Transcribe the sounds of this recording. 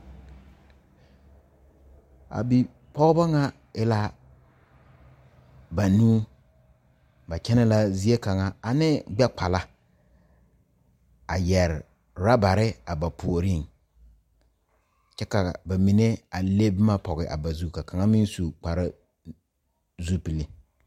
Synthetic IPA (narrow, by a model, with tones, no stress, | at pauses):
a̰˨bi˨ | pɔ˦ɣba˦ŋa˦ | ɪ˦la˦ | ba˨nũː˦ | ba˨t͡ʃɛ˦nɛ˦la˦zi˦e˦ka˨ŋa˦a˨nɪ˦bɛ˦k͡pa˨la˦ | a˨jɛ˨ɾɪ˨ | ɾa˦ba˨ɾɪ˦a˨ba˨pʰu˨o˨ɾi˦˨ŋ | t͡ʃɛ˦ka˨ba˨mi˨ne˦a˨le˦bɪ˦ma˦pɔ˨ɣɪ˨ʔa̰˨ba˨zu˦ka˨ka˨ŋa˦mi˦nsu˨k͡pa˨ɾa˦ | zu˦pi˨li˨